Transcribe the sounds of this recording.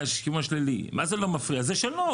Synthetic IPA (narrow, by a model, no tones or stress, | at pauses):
ʃkiuaʃlilḭmazelomafʁiazeʃelo